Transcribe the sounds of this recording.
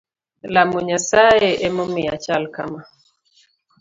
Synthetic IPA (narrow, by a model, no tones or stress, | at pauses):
lamuɲasaɛʔɛmɔmiat͡ʃalka̰ma